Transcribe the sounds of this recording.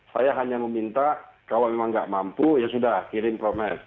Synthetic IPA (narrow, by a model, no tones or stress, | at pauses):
sajaɦaɲaməmint̪akalomemaŋɡa̰ʔmampujasudahkiɾɪmpɾomɛs